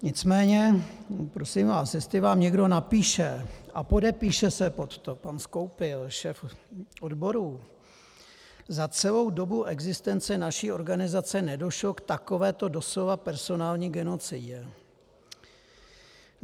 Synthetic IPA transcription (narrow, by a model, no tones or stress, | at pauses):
ɲɪt͡smɛːɲɛpɾo̞simvaːsjɛst̪ɪvaːmɲɛɡdo̞napiːʃɛʔapo̞dɛpiːʃɛsɛpot̪t̪opansko̞wpɪlʃɛːfʔodbo̞ɾu | zat͡sɛlo̞wdo̞buʔɛɡzɪst̪ɛnt͡sɛnaʃiːʔo̞ɾɡanɪzat͡sɛnɛdo̞ʃlo̞kt̪ako̞vɛːt̪o̞do̞slo̞vapɛɾso̞naːlɲiɡɛno̞t͡sɪɟɛ